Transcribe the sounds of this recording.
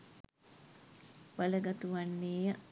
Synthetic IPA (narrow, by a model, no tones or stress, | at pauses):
baləɡat̪uʋanːeːjə